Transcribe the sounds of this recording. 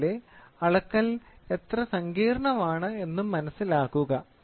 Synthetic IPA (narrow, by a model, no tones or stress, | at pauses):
leɐɭɐkːɐle̞t̪rɐsɐŋɡiːɾɐɳɐmaːɳɨe̞nːumːɐnɐsːilaːkːuɣɐ